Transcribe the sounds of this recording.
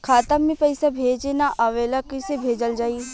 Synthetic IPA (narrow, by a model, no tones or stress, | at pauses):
kʰaːt̪əmːẽpɐɪsabʱeːd͡ʒenaʔɐʋeːlakɪsebʱeːd͡ʒəld͡ʒaːi